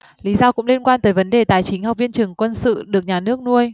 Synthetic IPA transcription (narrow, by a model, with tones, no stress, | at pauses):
li˨˦zɔ˧kʊ̰˧˥ŋ͡mli˧ənkwaː˧nt̪əː˨˦jvə˨˦nɗe˨˩t̪aː˨˩jt͡ɕï˨˦ŋ̟ha˨˩k͡p̚vi˧nt͡ɕɨ˨˩ŋkwə˧nsɨ̰˧˨ɗɨ˨˩ək̚ɲaː˨˩nɨ˦˥ək̚nu˧əj